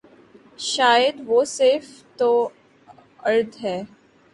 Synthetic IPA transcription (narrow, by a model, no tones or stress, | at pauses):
ʃaːjəd̪ʋoːseːft̪o | ɐɾd̪ɦɛː